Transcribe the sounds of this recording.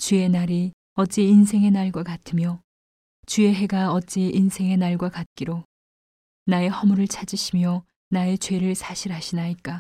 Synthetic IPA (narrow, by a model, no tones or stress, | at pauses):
t͡ɕee̞naɾi | ʌt̚t͡ɕ͈iinsʰe̞ŋe̞naɭɡwakatʰɯmjʌ | t͡ɕue̞ɦe̞ɡaʌt̚t͡ɕ͈iʔinsʰe̞ŋe̞naɭɡwakat̚k͈iɾo | nae̞hʌmuɾɯɭt͡ɕʰad͡ʑiɕʰimjʌ | nae̞t͡ɕwe̞ɾɯɭsʰaɕʰiɾɦaɕʰinaik͈a